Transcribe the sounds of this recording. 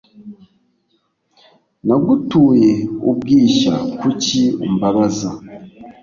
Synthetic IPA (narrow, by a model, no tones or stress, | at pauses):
naɡutuːjeubɡiːʃa̰kucium̩baβaza